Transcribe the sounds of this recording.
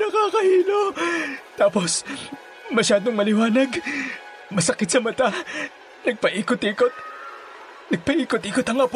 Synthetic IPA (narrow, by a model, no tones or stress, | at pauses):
nɐkaːkɐʔiːlot̪aːpo̞s | mɐʃaːd̪oŋmɐlɪwaːnɐɡ | mɐsɐkɪt̪̚sɐmɐt̪a | nɐɡ̚pɐʔiːkot̪iːkot̪̚ | nɐɡ̚pɐʔiːkot̪ʔiːkot̪ɐŋɐp